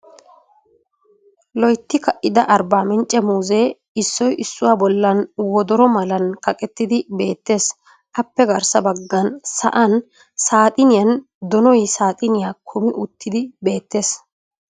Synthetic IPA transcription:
lɔjt̪ːɪkɐʔɪd̪ɐʔɐɾbaːmɛnt͡ʃʼːɛmuːzeː | ɪsːɔjʔɪsːʊwaːbɔlːɐnwɔd̪ɔɾɔmɐlɐnkɐkʼɛt̪ːɪd̪ɪbe̞ːt̪ːe̞ːs | ʔɐpːɛɡɐɾsɐbɐɡːɐnsɐ̰ʔɐn | saːt̪ʼɪnɪjɐn | d̪ɔnɔjsaːt̪ʼɪnɪjaːkʰʊmɪʔʊt̪ːɪd̪ɪbe̞ːt̪ːe̞ːs

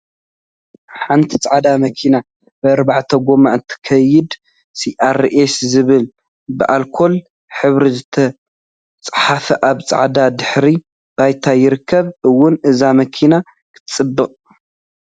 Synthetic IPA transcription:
ħant̪ʰi̥t͡sʼaʕad̪amɐkʰina | bɨːɾbaʕt̪ʰɐɡʷo̞maʔɨnt̪ʰɨ̥kʰɐjɪd̪ | siʔaɾʔeszɨβɨl | bɨʔalkʰo̞l | ħɨβɾizɨt̪ʰɐ | t͡sʼħafɐʔaβt͡sʼa̰ʕad̪ad̪ɨħɾi | b̥ajt̪ʰajɪɾɨkʰːɐβɨwːʊnʔɨzamɐkʰina | kʰɨ̥t̪ʰɨ̥t͡sʼɨbːɨqʼ

